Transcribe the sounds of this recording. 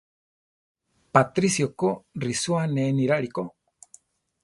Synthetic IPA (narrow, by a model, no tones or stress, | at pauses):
pat̪ɾisjokorisuaneːniɾaɾiko